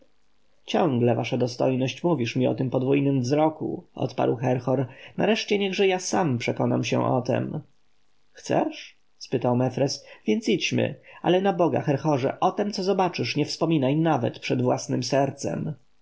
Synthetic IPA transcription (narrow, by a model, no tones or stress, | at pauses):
t͡ɕɔ̃ŋɡlɛvaʂad̪ɔst̪ɔjnɔɕt͡ɕmuvʲiʂmʲiɔ̰t̪ɘmpɔd̪vujnɘmvzɾɔkṵʔɔ̰t̪pa̰ɾwxɛɾxɔɾna̰ɾɛʂt͡ɕɛɲɛɣʐɛjasampʂɛkɔna̰mɕɛ̰̃ʔɔ̰t̪ɛ̰m | xt̪sɛ̰ʂ | spɘt̪awmɛfɾɛsvʲjɛnt̪sit͡ɕmɘ̰alɛnabɔɡa̰xɛɾxɔʐɛ̰ʔɔt̪ɛmt̪ɔzɔbat͡ʂɘʂɲɛfspɔmʲinajnavɛt̪pʂɛd̪vwa̰snɘmsɛɾt̪sɛ̰m